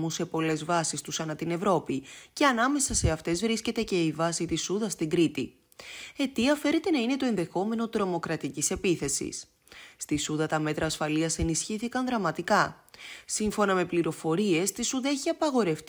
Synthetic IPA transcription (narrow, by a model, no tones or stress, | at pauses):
muse̞po̞le̞zvɐsist̪usɐnɐt̪ine̞vɾo̞pice̞ɐnɐme̞sɐseɐft̪e̞zvɾisce̞t̪e̞ce̞ivɐsit̪isuðɐst̪iŋɡɾit̪i | e̞t̪iɐfe̞ɾe̞t̪e̞nɐine̞t̪o̞enðe̞xo̞me̞no̞t̪ɾo̞mo̞kɾɐt̪icise̞piθe̞sḭs | st̪isuðɐt̪ɐme̞t̪ɾɐːsfɐliɐse̞nisçiθikɐnðɾɐmɐt̪ikɐsiɱfo̞nɐme̞pliɾo̞fo̞ɾie̞st̪isuðɐeçiɐpɐɣo̞ɾe̞ft